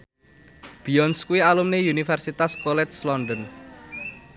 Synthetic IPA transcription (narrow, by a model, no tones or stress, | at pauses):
b̥iɔnskuwialumneunifɛrsit̪askɔlɛt̪̚slɔnd̪ən